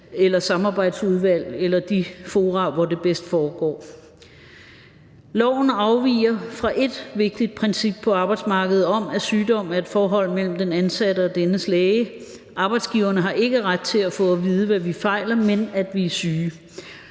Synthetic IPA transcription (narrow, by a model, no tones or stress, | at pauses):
elɐsɑ̈mɑ̈ːb̥ɑ̈ɪd̥suðˠʋæl̰elɐd̥ifo̝ːʁɑ̈ʋɒd̥e̝b̥esd̥fɒːɡ̥ɒ̰ː | lɒʊ̰n̩ɑ̈ʊʋḭːɐfʁɑ̈ʔe̝d̥ʋe̝ɡ̥̚d̥id̥̚pʰʁɛnsib̥̚pʰɒ̽ɑ̈ːb̥ɑ̈ɪd̥smɑ̈ːɡ̥əð̩ˠɒ̽mæsyːd̥ɒ̽m̰æɐe̝d̥fɒːɦɒ̽l̰mel̰m̩d̥enænsæɾəɒ̽d̥enəslɛːɪə | ʔɑ̈ːb̥ɑ̈ɪd̥sɡ̥iʊɐnəɦɑ̈ʔe̝ɡ̥əʁad̥̚t͡sʰe̝læfɔ̽ːʋið̞ˠəʋæʋifɑ̈ɪ̰lɐmenæd̥ʋiæsyː